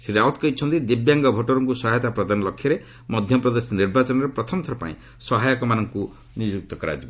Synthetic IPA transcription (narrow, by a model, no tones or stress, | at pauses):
siɾawt̪kɔit͡ʃʰɔnt̪id̪ibjaŋɡɔbʱɔʈɔɾɔŋkusɔɦajt̪apɾɔd̪anɔlɔkʰːjɔɾe | mɔd̪ʱjɔpɾɔd̪esɔniɾbat͡ʃɔnɔɾepɾɔt̪ʰɔmɔt̪ʰɔɾɔpa̰ḭ̃ | sɔɦajɔkɔmanɔŋku | nid͡ʒuk̚t̪ɔkɔɾa̰d͡ʒib